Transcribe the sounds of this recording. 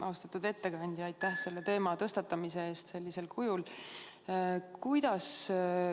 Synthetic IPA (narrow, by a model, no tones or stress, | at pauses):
ʔɑwst̪ɑt̪ːud̪e̞t̪ːe̞kɑnʲd̪̥ʲjɑɑjt̪ːˑæhse̞lːe̞t̪e̞ːmɑt̪ɤ̞st̪ɑt̪ːˑɑmise̞eːst̪se̞lʲːise̞lkʰujul | kujd̪̥ɑs